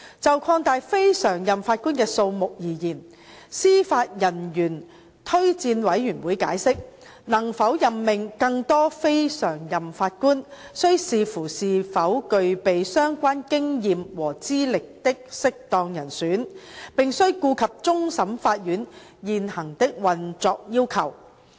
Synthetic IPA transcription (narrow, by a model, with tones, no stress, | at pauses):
t͡sɐ˨wkʰɔː˧ŋt̪aː˨˧jfe˥jsœː˨˩ŋjɐ˨mfaː˧t̚kuː˥nkɛː˧so˧wmʊ˨k̚jiː˨˩jiː˨˩n | siː˥faː˧t̚jɐ˨˩njyː˨˩n | t̪ʰɵ˥ɥt͡siː˧nwɐ˨˥jjyː˨˩nwuː˨˥jka̰ː˨˥jsɪ˥k̚ | nɐ˨˩ŋfɐ˨˥wjɐ˨mːɪ˨ŋkɐ˧ŋt̪ɔː˥fe˥jsœː˨˩ŋjɐ˨mfaː˧t̚kuː˥nsɵ˥ɥsiː˨fuː˨˩siː˨fɐ˨˥wkɵ˧ɥpe˨jsœː˥ŋkʷaː˥nkɪ˥ŋjiː˨˧mwɔː˨˩t͡siː˥lɪ˨k̚t̪ɪ˥k̚sɪ˥k̚t̪ɔː˧ŋjɐ˨˩nsyː˨˥npɪ˨ŋsɵ˥ɥkuː˧kʰɐ˨p̚t͡sʊ˥ŋsɐ˨˥mfaː˧t̚jyː˨˥njiː˨nhɐ˨˩ŋt̪ɪ˥k̚wɐ˨nt͡sɔː˧k̚jiː˥wkʰɐ˨˩w